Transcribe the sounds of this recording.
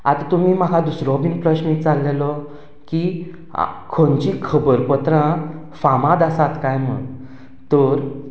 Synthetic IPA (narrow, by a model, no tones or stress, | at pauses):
at̪at̪um̤iːm̤akʰãd̪usɾɔbinpɾəɕmik̚t͡salːelɔ | kḭ | kʰont͡ɕikʰəbəɾpət̪ɾã | famãd̪asat̪kajm̤ə̰ɽ | t̪əɾ